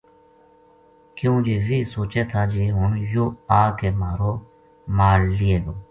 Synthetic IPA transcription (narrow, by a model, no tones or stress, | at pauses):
kjõːd͡ʒeːʋiːsoːt͡ʃeːt̪ʰaːd͡ʒeːɦʊɳjoːaːkeːmaːɾoː | maːɽlieːd̪oː